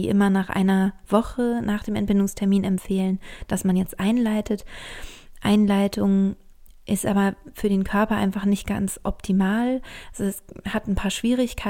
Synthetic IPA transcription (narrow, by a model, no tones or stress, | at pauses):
iːʔɪmɐnaːχʔa̰ɪnɐv̥ɔχənaːχd̥eːmɛntbɪndʊŋstʰɛɐmiːnɛmpfeːlənd̥asmanjɛt͡stʔaɪnlaɪtʰət | ʔa̰ɪnlaɪtʰʊŋ | ʔɪstʔaːbɐfyːɐɾeːnkʰœɐpɐʔa̰ɪnfaχnɪçt̚ɡ̥a̰nsʔɔp̚tʰimaːlʔazoɛshatn̩pʰaːɐʃv̥iːʁ̞ɪçkʰa